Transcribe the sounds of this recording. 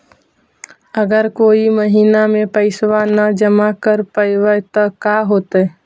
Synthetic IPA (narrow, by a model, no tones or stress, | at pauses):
əɡəɾkoːiməɦiːnamẽpəɪsʋanəd͡ʒəmakəɾpəjʋət̪əkaɦoːt̪ə